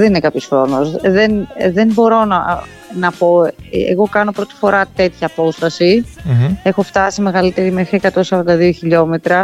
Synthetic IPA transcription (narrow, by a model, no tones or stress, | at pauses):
ðeninekɐpçosxɾo̞nosðenðembo̞ɾo̞nɐ | nɐpo̞ḛɣo̞kɐno̞pɾo̞t̪i̥fo̞ɾɐt̪e̞t̪çɐːpo̞st̪ɐsi | e̞xo̞ft̪ɐsime̞ɣɐlit̪e̞ɾimexɾiekɐt̪o̞nsɐɾɐnd̪ɐðio̞çiʎo̞me̞t̪ɾɐ